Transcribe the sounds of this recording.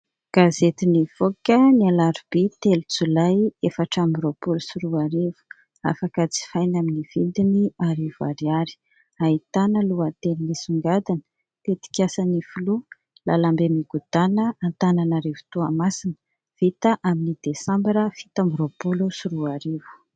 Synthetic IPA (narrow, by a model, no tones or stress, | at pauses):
ɡ̥azet̪iniv̥okʲənialaɾib̥it̪elut͡sulajefaʈ͡ʂamiɾopulusiɾuaɾevu̥ | a̰fakat͡si̥fajnaminiv̥id̪iniaɾevua̰ɾiaɾi̥ | ait̪anəluat̪elinisuŋɡad̪anə̥ | pet̪i̥kʲasanifulu | lalambemiɡud̪̥anəant̪ananaɾevu̥t̪uamasinə | v̥it̪əʔaminid̪esãmbiɾəfit̪amɾopulusuɾuaɾevu̥